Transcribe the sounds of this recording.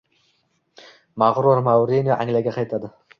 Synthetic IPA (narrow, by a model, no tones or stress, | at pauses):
maʁɾuɾmawɾenijaʔa̰ŋlaɡʲaqʰɑjt̪ʰad̪ɪ